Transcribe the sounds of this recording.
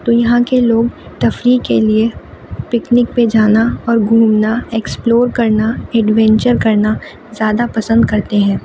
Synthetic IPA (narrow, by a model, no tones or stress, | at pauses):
t̪ojɐɦãkeloːɡ̚t̪ɐfɾikelie | pɪknɪk̚ped͡ʒaːnaɔːɾɡʱuːmnaeːksploːɾkɐɾnaɛɖʋɛ̃ːɲt͡ʃəɾkɐɾna | zjaːd̪apɐsə̃nd̪̚kɐɾt̪eɦɛ̃ː